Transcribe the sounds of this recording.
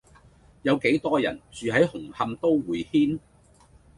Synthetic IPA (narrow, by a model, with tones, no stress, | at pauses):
jɐ˨˧wke˨˥jt̪ɔː˥jɐ̰˨˩nt͡ʃyː˨˧ɦɐ˨˥jhʊ˨˩ŋhɐ˧mt̪o˥wwuː˨˩jhiː˥n